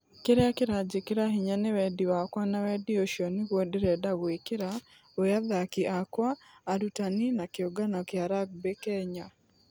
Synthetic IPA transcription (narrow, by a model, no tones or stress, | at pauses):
keɾeakeɾad͡ʒikeɾaɦiɲanewɛdiwakwanawɛdioʃiɔniɣwɔdeɾɛdaɣwekeɾa | ojaðakiʔakwaː | ɾutaninakeoɡanɔkjaɾaɡ̚bekɛɲa